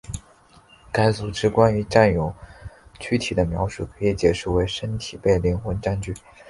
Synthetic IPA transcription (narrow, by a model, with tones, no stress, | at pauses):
ka˥ɪt͡su˨˩ʈ͡ʂɻ̩˥kwa˥ny˧˥ʈ͡ʂa˥˩njo˨˩ʊt͡ɕʰy˥t̪ʰi˨˩d̪ə˦mjɑ̰˧˥ʊʂu˥˩kʰɤ˧˥i˧˥t͡ɕjɛ˨˩ʂu˥˩we˧˥ɪʂə˥nt̪ʰi˨˩pe˥˧ɪli˧˥˩ŋxwə˧˥nʈ͡ʂa˥˧nt͡ɕy˥˩